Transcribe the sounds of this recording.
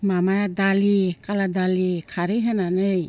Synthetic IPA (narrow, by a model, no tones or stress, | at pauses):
mamajadalikaladalikʰaɾɯjɦenanɯj